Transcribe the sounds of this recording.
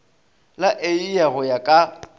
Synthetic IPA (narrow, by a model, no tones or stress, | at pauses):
laʔeijaɣʊjakʼa